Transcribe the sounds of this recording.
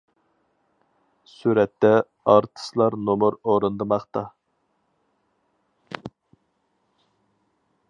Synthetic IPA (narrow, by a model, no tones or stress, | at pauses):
suɾɛt̪ːɛ | ɑɾt̪ʰə̥slˠɑɾnomuɾoɾɨnd̪ɨmɑχt̪ɑ